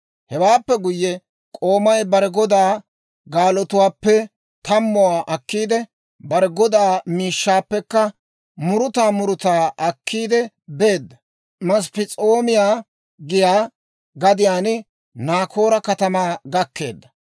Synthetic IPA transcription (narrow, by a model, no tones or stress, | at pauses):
hɛwaːpːɛɡʊjːɛ | kʼo̞ːmɐjbɐɾɛɡɔd̪aː | ɡaːlɔt̪ʊwaːpːɛ | t̪ɐmːɔwaːʔɐkːiːd̪ɛ | bɐɾɛɡɔd̪aːmiːʃːaːpːɛkːɐ | mʊɾʊt̪aːmʊɾʊt̪aːʔɐkːiːd̪ɛ | be̞ːd̪ːɐ | mɐs̬pɪt͡sʼoːmɪjaː | ɡɪjaː | ɡɐd̪ɪjaːnɪ | naːkʰo̞ːɾɐkɐt̪ɐmaːɡɐkːe̞̰ːd̪ːɐ